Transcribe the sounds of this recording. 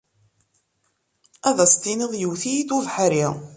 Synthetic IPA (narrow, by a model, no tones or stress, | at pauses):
æðæst̪iniðˤjəwθijid̪uvħɾi